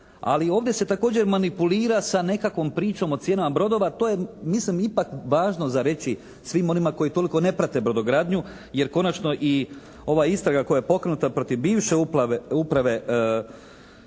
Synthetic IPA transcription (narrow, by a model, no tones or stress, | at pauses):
a̰lio̞ːʋd̪je̞se̞t̪ako̞ːd͡ʑe̞ɾmanipuliːɾasane̞kakʋo̞mpɾiːt͡ʃo̞mo̞t̪sje̞ːnamabɾo̞d̪o̞ʋat̪o̞ːje̞mislimipakʋaːʒno̞zaɾe̞t͡ʃi | sʋimo̞nimako̞jit̪o̞liko̞ne̞pɾat̪e̞bɾo̞d̪oɡɾaːd̪ɲu | je̞ɾko̞nat͡ʃno̞ʔi | o̞ʋaist̪ɾaɡako̞jajepo̞kɾe̞nut̪apɾo̞t̪iʋbiːʋʃe̞uplaeupɾaʋe̞